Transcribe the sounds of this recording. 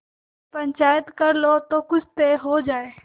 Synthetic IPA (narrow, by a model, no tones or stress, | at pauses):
pɐ̃ɲt͡ʃaːjət̪kɐɾlot̪oːkʊd͡ʒʰʱt̪eɦoːd͡ʒaːeː